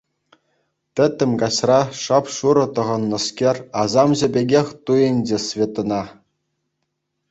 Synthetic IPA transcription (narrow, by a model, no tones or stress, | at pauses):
t̪ʲɘ̆t̪ʲːɘ̆mʲɡɑɕrɑʂɑpʂuɾɤ̆t̪ɤ̆ʁɤ̆nːɤ̆skʲerʲɑzɑmʑɘ̆bʲeɡʲexʲt̪ujɘ̆nʲd͡ʑesvʲet̪ɤ̆nɑ